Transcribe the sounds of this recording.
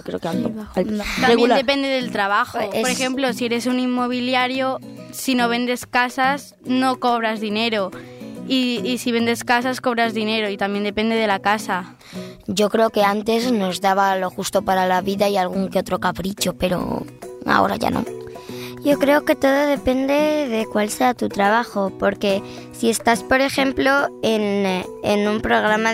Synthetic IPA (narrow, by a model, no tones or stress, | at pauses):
kɾeoka | t̪aeɣend̪epe̞nd̪eðelt̪ɾaβ̞axooɾexemplo̞sie̞ɾe̞sunimːo̞β̞iljaɾjo̞ | sino̞β̞e̞nd̪e̞skasas | no̞ko̞βɾazðine̞ɾo | iːsiβe̞nd̪e̞skas̬asko̞β̞ɾazðine̞ɾo̞it̪ambje̞nd̪e̞pe̞nd̪e̞ð̞elakasa | ɟ͡ʝo̞kɾe̞oke̞ant̪e̞zno̞zðaβ̞alo̞xust̪o̞paɾalaβiðaialɣ̞uŋkeo̞t̪ɾo̞kapɾit͡ʃo̞pe̞ɾo̞̰a̰o̞̰ɾa̰ʝa̰nʔo̰ | ɟ͡ʝo̞kɾe̞oke̞t̪o̞ðo̞ðe̞pe̞nd̪e̞ðe̞kwalse̞at̪ut̪ɾaβ̞axo̞po̞ɾke̞ | sie̞st̪aspo̞ɾe̞xe̞mplo̞enː | nũmpɾo̞ɣ̞ɾama